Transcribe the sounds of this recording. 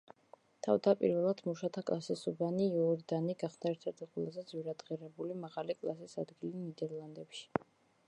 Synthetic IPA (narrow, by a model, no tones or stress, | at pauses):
t̪ʰavd̪apʼḭɾvɛlˠad̪̥muʃat̪ʰakʼlˠasisubaniːɔɾid̪aniɡaχsd̪aɛɾt̪ʰɛɾt̪ʰiχulˠazɛd̪zwiɾad̪ʁiɾɛbulimaʁalikʼlˠa̰sisa̰d̪ɡilinid̪ɛɾlˠand̪ɛpʃi̥